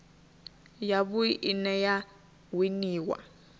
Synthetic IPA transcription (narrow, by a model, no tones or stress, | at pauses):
jaβʊiʔinɛja | winiːwa̰